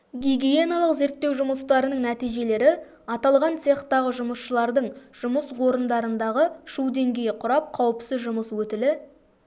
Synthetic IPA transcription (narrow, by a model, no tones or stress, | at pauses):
ɡʲiɡʲije̞nalˠəqze̞ɾt̪ːe̞wʒʊməst̪ɑɾənəɴnæt̪ijʒe̞le̞ɾɪ | ɑt̪ɑlˠʁɑnt̪ʲʰe̞χt̪ːɑʁəʒʊməsʃəlˠɑɾd̪əɴʒ̥ʊməswo̞ɾənd̪ɑɾənd̪ɑʁəʃud̪e̞ŋɡʲe̞jɪqʰʊɾɑp̚qʰɑwəpsɪzʒʊməswɵt̪ɪlɪ